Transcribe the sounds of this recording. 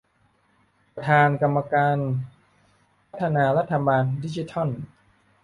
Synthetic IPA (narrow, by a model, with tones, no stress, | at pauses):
pɾa˧t̪ʰaː˧nka˧mːa˧kaː˧n | pʰa˦˥t̪ʰːa˧naː˧ɾa˦˥t̪ʰːa˧baː˧ndi˦˥t͡ɕi˦t̪ʰɔ˥˩n